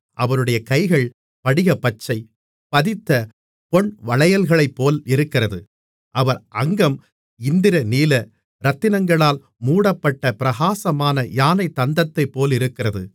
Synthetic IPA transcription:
ʔɐʋɐɾɯɽɐjɐkɐɪɣɐɭ | pɐɽɪɣɐpɐt͡ʃːɐɪ | pɐðɪt̪ːɐ | pɔɳʋɐɭɐjɐlɣɐɭɐɪpːoːlɪɾɯkːɪrɐðɯ | ʔɐʋɐɾʔɐŋɡɐm | ɪnd̪ɪɾɐniːlɐ | ɾɐt̪ːɪnɐŋɡɐɭaːl | muːɽɐpːɐʈːɐpɪɾɐɣaːsɐmaːnɐjaːnɐɪt̪ːɐnd̪ɐt̪ːɐɪpːoːlɪɾɯkːɪrɐðɯ

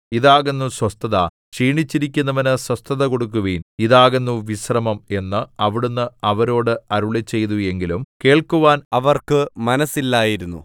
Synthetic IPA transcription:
iðaːɣenːuswɐst̪ɐðɐ | t͡ɕiːɳit͡ɕːiɾikʲːunːɐʋɐnɨswɐst̪ɐðɐko̞ɽuk̬ːuʋiːniðaːɣenːuʋiɕrɐmɐme̞nːɨɐʋiɽunːɨɐʋɐɾo̞ːɽɨɐɾuɭit͡ɕːe̞jt̪ue̞ŋɡilumke̞ːɭkuʋaːnɐʋɐrkɨmɐnɐsilːaːjiɾunːṵ

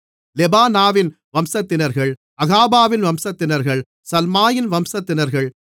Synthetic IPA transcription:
lɛbaːnaːʋɪn | ʋɐmsɐt̪ːɪnɐɾɣɐɭ | ɐɣaːbaːʋɪnʋɐmsɐt̪ːɪnɐɾɣɐɭ | sɐlmaːjɪnʋɐmsɐt̪ːɪnɐɾɣɐɭ

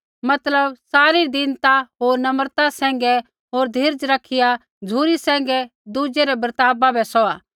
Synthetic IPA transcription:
mɐt̪ləbsaːɾid̪ɪnt̪aɦoːɾnɐməɾt̪asɛ̃ːŋ̆ɡɛ | ɦoːɾd̪ʱɪːɾd͡ʒɾɐkʰːɪja | d͡zʱuːɾisɛ̃ːŋ̆ɡɛ | d̪ud͡ʒeɾɛbɾt̪aːbabʱɛsɔaː

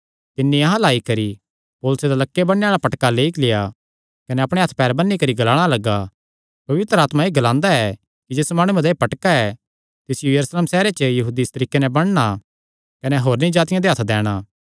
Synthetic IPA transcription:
t̪ɪnːiɐɦãlaːikɐɾi | poːlʊsed̪alɐkːebɐɽ̃eaːɭapɐʈkaleːiklɪja | kɐnɛɐpɽ̃eɦɐt̪ʰpɛːɾbɐnːikɐɾiɡɐlaːɽ̃alɐɡːa | pɐʋɪt̪ɾəaːt̪mãeːɡɐlãːnd̪aɛ | kid͡ʒeːsmaːɽ̃uẽd̪eːpɐʈkaɛ | t̪ɪsjujɐɾusleːmsɛːɾet͡ʃəjɐɦuːd̪ist̪ɐɾiːkːenɛbɐɽ̃ɽ̃a | kɐnɛɦoːɾnĩd͡ʒaːt̪ɪjãd̪eɦɐt̪ʰd̪ɛːɽ̃aː

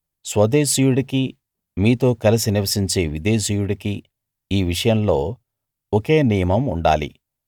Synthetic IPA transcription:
sʋɐd̪eːʃiːjuɽiki | miːt̪o̞ːkɐlɐsiniʋɐsiɲt͡ʃe̞ːʋid̪e̞ːʃiːjuɽɐki | iːʋiʂɐjɐmlo̞ː | oke̞ːnijɐmɐmuɳɖa̰ːlḭ

